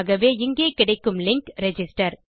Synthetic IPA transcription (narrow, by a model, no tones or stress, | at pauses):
ɣɐʋeːɪŋɡeːkɪɽɐɪkːɯmlɪŋkɾɛd͡ʒɪsʈɐɾ